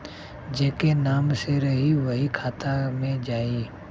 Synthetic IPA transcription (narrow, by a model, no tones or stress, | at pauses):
d͡ʒeːkenaːmseɾɐɦiʋɐɦikʰaːt̪amẽd͡ʒaːiː